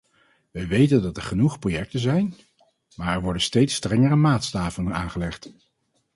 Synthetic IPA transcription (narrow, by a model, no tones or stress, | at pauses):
ʋɛjʋejtəndɑtɛɹχənuχprojɛk̚tənzɛjn | maːɹɛɹʋɔɹdənstejtstrɛŋəɾəmaːtstaːvəlnənaːnχəlɛχt